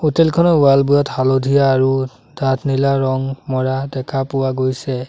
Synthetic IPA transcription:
utɛlkʰɔnɔʊalbujɔthalodʱijaːɹu | datʰnilaɹɔŋmɔɹadɛkʰapʊwaɡojsɛ

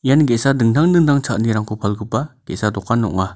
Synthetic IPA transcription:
ijanɡesadɯŋdʰaŋdɯŋdaŋt͡ʃʰaʔ̚niɾaŋkʰupʰalɡɯpːaɡ̥ɛ̰sadɔkːanːɔʔŋa

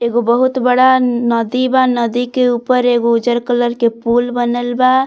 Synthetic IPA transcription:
eɡobəɦut̪bəɽanəd̪ibanəd̪ikeupəɾeɡoud͡ʒəɾkələɾkepulbənəlba

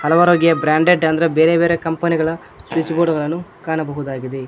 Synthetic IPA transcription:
hɐlɐʋaːɾoːɡjɐbɾaːɳɖeɖɐnd̪ɐɾebeːɾebeːɾekɐmpɐniɡɐɭɐ | sʋit͡ʃiboːɽɐɡɐɭɐnːukaːɳɐbɐɦud̪aːɡid̪e

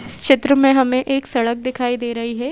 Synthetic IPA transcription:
ɪʃɪt̪ɾəmẽɦɐmẽʔeːksɐɽək̚d̪ɪkʰaːid̪eːɾɐɦiɦɛː

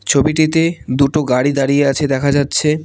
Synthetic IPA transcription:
t͡ɕʰobiʈit̪ed̪uʈoɡaɽid̪aɽijeat͡ɕʰed̪ɛkʰad͡ʑatːɕʰe

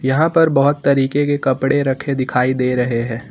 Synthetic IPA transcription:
jɐɦãpɐɾbɐɦʊt̪ːɐɾiːkekekɐpɽeɾɐkʰed̪ɪkʰaːid̪eːɾɐɦeɦɛ̃ː

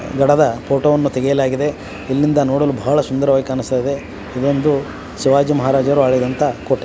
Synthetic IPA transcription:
ɡɐɽɐd̪ɐpʰoːʈoːʋɐnːut̪ɛɡejɐlaːɡid̪e̞ | ilːind̪ɐnoːɽolubʱaːɭɐsund̪ɐɾɐʋaːjikaːnust̪ɐjid̪e̞ | id̪ond̪u | siʋaːd͡ʒimɐɦaːɾaːd͡ʒɐʋɾuaːɭid̪ɐnt̪ɐkoʈːe

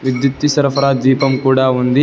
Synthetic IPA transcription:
ʋid̪jut̪ːisɐɾɐpʰɐɾaːd̪iːpɐmkuːɽaːund̪i

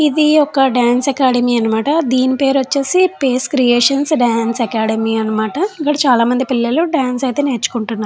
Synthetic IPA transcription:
id̪iɔkɐɖaːnsɐkaːɽɐmiːɐnːɐmaːʈɐd̪iːnipe̞ːɾʋɐt͡ʃːeːsipeːskɾijeːʂɐnsɖaːnsekaːɽɐmiɐnːɐmaːʈɐikːɐɽɐt͡ʃaːlaːmɐnd̪ipilːɐluɖaːnsɐjt̪e̞ːneːɾt͡ʃːu̥kuɳʈunːaːɾ

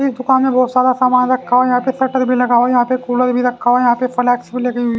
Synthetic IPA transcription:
isd̪ʊkaːnmẽbɔːt̪sjaːd̪asaːmaːnɾɐkʰːaːʋajɐɦãːpesɐʈəɾbʱilɐɡaːʋajɐɦãːpekuːləɾbʱiɾɐkʰːaːʋajɐɦãːpefəlɛːksbʱileːɡi

